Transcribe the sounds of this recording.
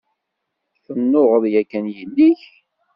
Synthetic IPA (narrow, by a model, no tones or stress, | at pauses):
θənːoʁəðˤjækːænjəlːiç